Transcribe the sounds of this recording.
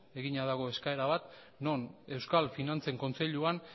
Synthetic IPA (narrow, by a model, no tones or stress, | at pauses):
e̞ɣiɲaðaɣ̞o̞e̞skae̞ɾaβat̪ | no̞ne̞wskalfinant͡se̞ŋko̞nt͡se̞ʎuan